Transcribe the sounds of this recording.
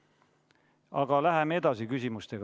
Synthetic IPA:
ɑɡ̥ɑlæɦemee̞d̪̥ɑsikysʲimust̪e̞ɡ

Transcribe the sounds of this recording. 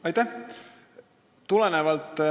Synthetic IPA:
ɑjt̪ːæh | t̪ulenevɑlt̪ː

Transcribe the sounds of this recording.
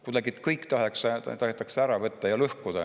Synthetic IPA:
kud̪ɑɡ̥it̪kɤjkːˑt̪ɑɦekst̪ɑɦet̪ːˑɑkseæɾɑvɤt̪ːɑjɑløhkud̪̥ɑ

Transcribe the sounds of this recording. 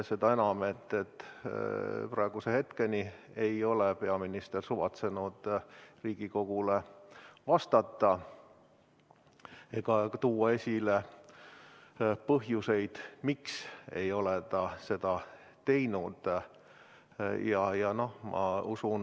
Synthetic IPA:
se̞d̪ɑe̞nɑmet̪ːet̪ː | prɑeɡ̥usehe̞t̪ke̞ni | ejo̞lepe̞ɑminist̪ersuvɑt̪se̞nud̪̥riːɡ̥iko̞ɡ̥ulevɑst̪ɑt̪ːˑɑ | e̞ɡ̥ɑt̪uːɑe̞sʲile | pɤɦjuse̞jd̪̥mikse̞jo̞let̪ɑse̞d̪̥ɑ | t̪e̞jnud̪̥ | jɑjɑno̞hmʔɑ̰usun

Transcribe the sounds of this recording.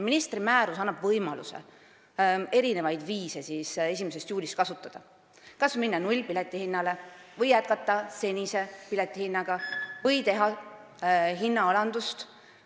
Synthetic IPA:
minist̪rimæːɾusɑnːɑb̥vɤjmɑlṵsḛ | e̞ɾine̞vɑjd̪viːse̞sise̞s̬ʲimese̞st̪juːlʲist̪kɑsut̪ːˑɑd̪̥ɑ | kɑsminːɑnulʲpilet̪ˑːihinːɑle̞vɤjːæt̪̚kɑt̪ːˑɑse̞nʲise̞pilet̪ˑːihinːɑɡ̥ɑvɤjt̪e̞ɦɑ | ɦinːɑɑlɑnd̪̥ust̪

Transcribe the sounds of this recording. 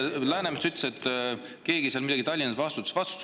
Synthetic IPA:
læːnemest̪yt̪le̥se̞t̪ː | ke̞ːɡiseɑlmid̪ɑɡit̪ɑlʲːinɑsvɑst̪ut̪ːsvɑst̪u̥t̪ː

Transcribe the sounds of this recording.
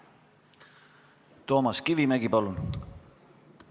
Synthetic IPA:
t̪o̞ːmɑskivimæɡipɑlun

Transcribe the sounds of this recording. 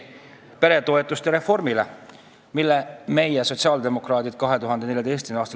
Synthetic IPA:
pe̞ɾe̞t̪o̞et̪ːˑust̪eɾe̞fo̞rmile | milːeme̞jeso̞tʲsiɑːld̪e̞mo̞krɑːt̪id̪̥̚kɑɦe̞t̪uɦɑnd̪ene̞lʲjɑd̪e̞jst̪kynɑːst̪

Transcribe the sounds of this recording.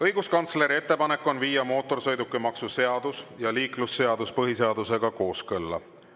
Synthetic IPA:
ɤjɡ̥uskɑnt̪sle̞ɾie̞t̪ˑːe̞pɑne̞kːˑo̞nviːjɑmo̞ːt̪ːˑo̞rsɤjd̪ukːˑemɑksuse̞ɑd̪̥usjɑliːklusːe̞ɑd̪̥uspɤɦise̞ɑd̪̥use̞ɡ̥ɑko̞ːskɤlːɑ̰

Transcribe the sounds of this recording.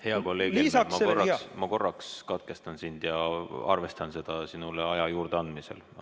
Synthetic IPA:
he̞ɑkolːe̞ːɡlːismɑkorɑsmɑko̞rːɑkskɑt̪̚kest̪ɑnsind̪̥jɑɑ̰rvest̪ɑnse̞d̪̥ɑsinuleɑjɑjuːrd̪eɑnd̪mise̞̰l

